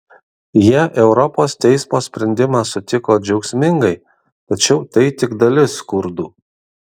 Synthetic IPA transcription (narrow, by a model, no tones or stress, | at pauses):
jiɛʔɛʊɾɔpoːst̪ʲɛɪsmoːsʲpʲɾʲɛnʲd̪ʲɪmɑːsʊt̪ʲɪkoːd͡ʒʲɛʊksʲmʲɪŋɡɐɪ | t̪ɐt͡ʃʲɛʊt̪ɐɪt̪ʲɪɡd̪ɐlʲɪskʊɾd̪uː